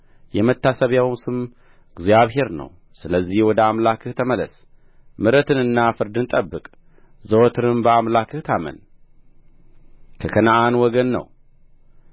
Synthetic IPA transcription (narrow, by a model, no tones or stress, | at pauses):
jɛmət̪ːasəβjawmsɨm | ɡzjaβɦe̞ɾnə̰w | sɨləzːihwɔd̪əamlakɨht̪ʰəmələs | mɨɾət̪ʰɨnɨnːafɨɾd̪ɨnt̪ʼəbːɨkʼ | zəwɔt̪ʰɨɾɨmbəamlakʰɨht̪ʰamə̰n | kʰəkʰənaʔanwɔɡənːə̰w